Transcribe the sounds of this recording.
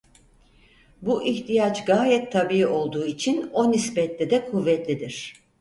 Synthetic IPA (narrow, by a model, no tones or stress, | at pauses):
buʔiçt̪ʰijat͡ʃɡaːjɛt̪ʰːabiio̞lˠd̪uːit͡ʃʰino̞nisbɛt̪lʲɛd̪ɛkʰuvːɛt̪lʲid̪iɾ̥